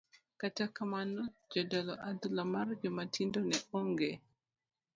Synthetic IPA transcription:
katakamanɔd͡ʒɔdɔlɔʔad̪ulamard͡ʒɔmatʰindɔnɛɔŋɡe

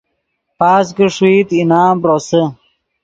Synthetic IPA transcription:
paːs̬kəʂwiːt̪inaːmpɾosə

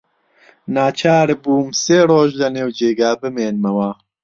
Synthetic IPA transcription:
naːt͡ʃʰaːɾbuːmseːroːʒlɐneːwd͡ʒeːɡaːbɨmeːnmɐwa

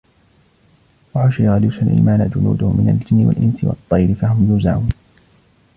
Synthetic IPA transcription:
waħʊʃijɣalusalʔḭːmaːnad͡ʒʊnṵːd̪ʊhʊmɪna̰ld͡ʒɪnːɪwa̰lʔɪnsɪwɑ̰t̪ˤːɑjɾɪfaɦʊmjuːzaʕuːn

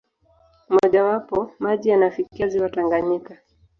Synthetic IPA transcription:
mɔʄawapɔmaʄijanafikiaziwataŋɡaɲika

